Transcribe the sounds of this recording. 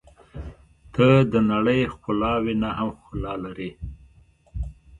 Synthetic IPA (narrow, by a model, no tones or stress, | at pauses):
t̪ʰəd̪ənaɽəjxʊlɑwinahamxʊlɑlaɾi